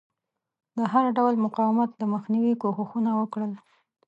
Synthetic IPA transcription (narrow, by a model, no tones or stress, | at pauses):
d̪əɦaɾɖawlmʊqɑwɪmat̪̚d̪əməxniwikoxuxunawəkɽəl